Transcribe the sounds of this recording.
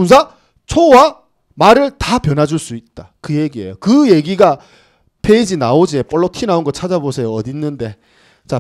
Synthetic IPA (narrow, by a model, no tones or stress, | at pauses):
uns̬ʰa | t͡ɕʰowa | maɾɯɭtapjʌnɦad͡ʑuɭs͈uit̚t͈akɯje̞ɡie̞̰jokɯje̞ɡiɡa | pʰeid͡ʑinaod͡ʑiep͈ʌɭːotʰinaunɡʌt͡ɕʰad͡ʑabosʰe̞joʌdinːɯnde̞ | t͡ɕa